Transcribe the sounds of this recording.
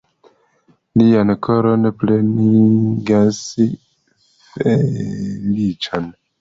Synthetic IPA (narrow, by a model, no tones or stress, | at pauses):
liankʰoɾo̞npleniɡas | felit͡ʃan